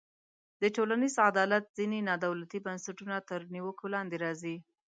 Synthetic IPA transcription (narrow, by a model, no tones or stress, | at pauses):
d̪̥əʈolanizad̪ɑlat̪̚z̥inenɑd̪awlat̪ibansaʈunat̪əɾniwəkolɑnd̪eɾɑzi